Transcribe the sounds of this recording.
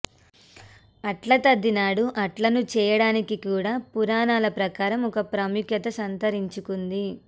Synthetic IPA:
ɐʈlɐt̪ɐd̪ːinaːɽuʔɐʈlɐnut͡ʃɛːjɐɽaːnikikuːɽaːpuɾaːnaːlɐpɾɐkaːɾɐmɔkɐpɾɐmukjɐt̪ɐsɐnt̪ɐɾiɲt͡ʃukund̪i

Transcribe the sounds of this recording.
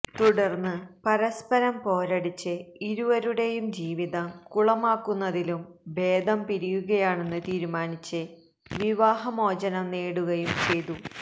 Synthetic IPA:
t̪uɽɐrnːɨpɐɾɐspɐɾɐmpo̞ːɾɐɽit͡ɕːɨiɾuʋɐɾuɽe̞jumd͡ʑiːʋiðɐkuɭɐmaːkːunːɐðilumbe̞ːd̪ɐmpiɾijuɣɐjaːɳe̞nːɨt̪iːɾumaːnit͡ɕːɨ | ʋiʋaːɦɐmo̞ːd͡ʑɐnɐmneːɽuɣɐjumt͡ɕejðu

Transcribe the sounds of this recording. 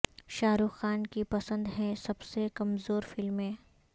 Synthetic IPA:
ʃaːɾuxːaːnkipɐsə̃nd̪ɦɛ̃sɐbsekɐmzoːɾfɪlmẽː

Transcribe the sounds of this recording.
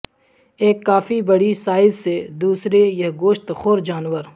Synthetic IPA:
eːkːaːfʰibəɽisaːɪzsed̪uːsɾejɐɦɡoːʃt̪xoːɾd͡ʒaːnʋəɾ

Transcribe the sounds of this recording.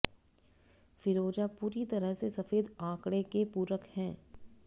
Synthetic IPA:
fɪɾoːd͡ʒapuːɾit̪ɐɾəɦsesɐfeːd̪ãːkɽekepuːɾəkhɛ̃ː

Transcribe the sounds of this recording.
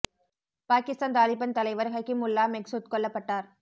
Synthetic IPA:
paːkist̪aːnt̪aːlibɐnt̪ɐlɐɪjʋɐɾɣɐkːimulːaːmeɡsuːt̪̚kɔlːɐpːɐʈːaːɾ

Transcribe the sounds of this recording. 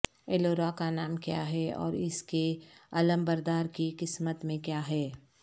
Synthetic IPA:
eloːɾakanaːmkja̰ːɦɛɔ̰ːɾɪskeɐləmbɐɾd̪aːɾkiqɪsmət̪mẽkjaːɦɛː

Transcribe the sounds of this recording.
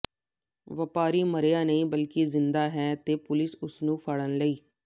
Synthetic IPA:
ʋəpaːɾiːməɾeːjaːnəĩːbəlkɪzɪnd̪aːɦɛːt̪eːpʊlɪsʊsnũːpʰəɽənləiː

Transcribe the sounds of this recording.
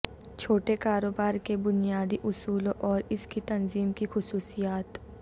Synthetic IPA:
t͡ʃʰoːʈekaːɾoːbaːɾkebʊnijaːd̪iʔʊsuːlõʔɔːɾɪskit̪ɐnziːmkixʊsuːsijaːt̪

